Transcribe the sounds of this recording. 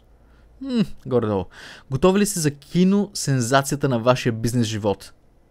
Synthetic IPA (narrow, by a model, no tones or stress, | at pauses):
ɡɔɾd̪ɔlˠɡot̪ɔvilist̪ɛzɐkʲʰinosɛnzat̪sijət̪ənɐvaʃijəbiznɛsʒivɔt̪